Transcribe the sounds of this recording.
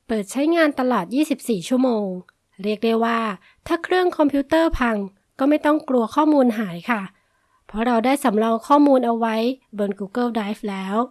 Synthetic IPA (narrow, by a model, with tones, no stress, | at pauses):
pɤː˨˩t̪̚t͡ɕʰa˦˥jŋaː˧nt̪a˧lɔː˨˩t̪̚jiː˥˩si˨˩p̚siː˨˩t͡ɕʰu˥˩əmoː˧ŋ | ɾi˥˩ək̚dɤ˥˩waː˥˩ | t̪ʰaː˥˩kʰɾɯ˥˩əŋkʰɔ˧mpʰiuː˦˥t̪ɤː˥˩pʰa˧ŋ | kɔː˥˩ma˥˩jt̪ɔ˥˩ŋklu˧ɐkʰɔː˥˩muː˧nɦaː˩˦jkʰa˥˩ | pʰɔ˦˥ɾa˧wdaː˥˩jsa˩˦mɾɔː˧ŋkʰɔː˥˩muː˧nʔa˧wwa˦˥jbɤː˧nkuː˧kɤ˥˩daː˦˥jflɛː˦˥w